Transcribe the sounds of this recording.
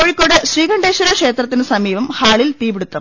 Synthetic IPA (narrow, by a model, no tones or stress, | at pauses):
oːɻikʲːoːɽeɕriːɡɐɳɖeːɕɐɾɐkʂe̞ːt̪rɐt̪̬ːinɨsɐmiːʋɐmhaːɭilt̪iːbiɽut̪ːɐm